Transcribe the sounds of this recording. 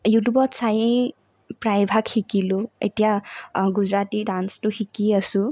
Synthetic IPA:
juʈ̬jubʌt͡sajẽ | pɾajbʱakhikiloḛt̪ijaɡud͡zɾatiɖansʈuhikiʌsu

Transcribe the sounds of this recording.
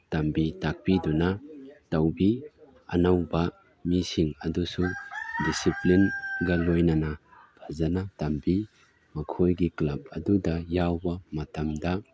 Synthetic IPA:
tɐmbitak̚pidunatɐwbi | ɐnawbɐ | misiŋɐdusudisiplinɡɐlojnana | b̥ʰʱazanatɐmbi | mɐkʰojɡiklɐb̚ɐdudɐjawbɐmɐtɐmdɐ

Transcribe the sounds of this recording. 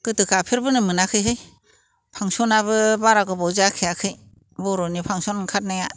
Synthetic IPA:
kɯtɯkʰapʰeɾbɯnɯmɯnakʰɯjɦɯj | pʰaŋsɔnaβɯbaɾaɡɯbɔwzakʰejakʰɯj | bɔɾɔnipʰaŋsɔnkʰat̚naja

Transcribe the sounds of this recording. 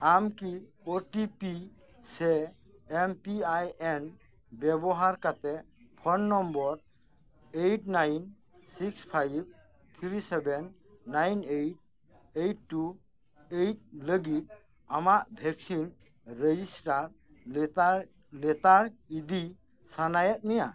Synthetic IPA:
amkioʈipisɛː | mpiajenbɛbɔɦaɾkat̪ɛ | pʰɔnːɔmbɔɾ | ejʈnajnsikspʰajb̚ | t̪ʰiɾisɛbɛnːajnejʈ̚ | ejʈːu | ejt̚ləɡit̪̚ | amaʔbʱɛk̚sin | ɾed͡ʒisʈaɾ | lɛt̪aɾid̪i | sanajɛt̪̚nija

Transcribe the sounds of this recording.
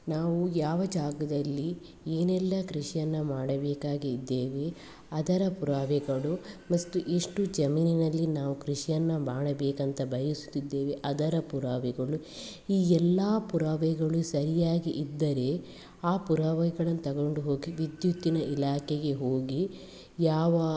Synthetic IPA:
naːʋujaːʋɐd͡ʒaːɡɐd̪ɐlːi | eːnɛlːɐkɾiʂijɐnːɐmaːɽɐbeːkaːɡiːd̪ːeːʋe | ɐd̪ɐɾɐpuɾaːʋɛɡɐɭumɐst̪uʔeʂʈud͡ʒɐmiːninɐlːinaːʋukɾiʂijɐnːɐmaːɽɐbeːkɐnt̪ɐbɐjisu̥t̪ːid̪ːe̞ːʋeʔɐd̪ɐɾɐpuɾaːʋɛɡɐɭu | iːɛlːaːpuɾaːʋɛɡɐɭusɐɾijaːɡiʔid̪ːɐɾe̞ | aːpuɾaːʋɐjɡɐɭɐnːut̪ɐɡoɳɖuɦo̞ːɡiʋid̪jut̪ːinɐʔilaːkʰeɡe̞ɦoːɡi | jaːʋɐ

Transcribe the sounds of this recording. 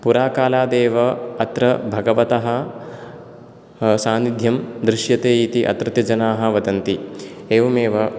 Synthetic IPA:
puɾaːkaːlaːd̪eːʋɐɐt̪ɾɐbʱɐɡɐʋɐt̪ɐɦɐ | saːnid̪ʱjɐmd̪ɾɪʃjɐt̪eːit̪iʔɐ̰t̪ɾɐt̪jɐd͡ʒɐnaːɦɐʋɐd̪ɐnt̪ieːʋɐmeːʋɐ

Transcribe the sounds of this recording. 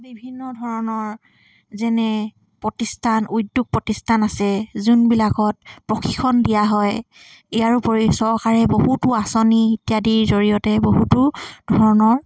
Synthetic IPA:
bibʱinːɔdʱɔɹɔnɔɹ | zɛnɛ | pɹɔtistʰanudjuɡ̚pɹɔtistʰanasɛzunbilakɔt̚pɹɔxʰikʰːɔndijaɦɔj | ɛjaɹupoɹisɔɹkaɹɛbohutʊasɔnitijadiɹzoɹijɔtɛboɦutʊd̥ʱɔɹɔnɔɹ

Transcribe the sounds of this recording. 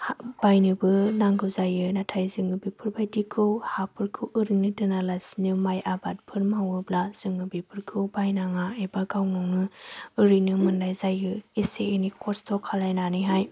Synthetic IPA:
hb̥ajnɯbɯnaŋɡɯwzajɯnatʰajzɯŋɯbipʰɯɾbajdikʰɯwhapʰɯɾkʰɯwʔɯɾinɯdɯnalasinɯmajʔabat̚pʰɯɾmawɯblaz̥ɯŋɯbipʰɯɾkʰɯwbajnaŋaebaɡawnɔŋnɯɯɾɯnɯmɯndajzajɯeseenikʰɔstʰɔkʰalajnanɯɦaj

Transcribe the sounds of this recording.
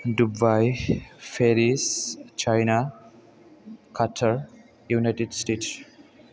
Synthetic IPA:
ɖubajfeɾist͡ʃajna | kʰatʰəɾ | junajʈeɖsʈeːʈs

